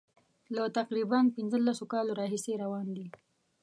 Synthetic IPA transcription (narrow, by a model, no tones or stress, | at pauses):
lat̪aqɾibanpɪnzəlːasokɑloɾɑɦiseɾawɑnd̪i